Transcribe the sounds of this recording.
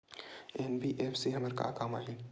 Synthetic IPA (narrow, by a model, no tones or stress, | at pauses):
enbiʔeːfʰsiɦɐməɾka̰ːkaːma̰ːli